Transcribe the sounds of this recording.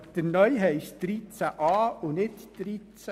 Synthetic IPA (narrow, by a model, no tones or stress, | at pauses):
d̥ənœʏɦɛɪʃd̪̥ɾit͡sæʔɑːʊnɪtd̥ɾit͡s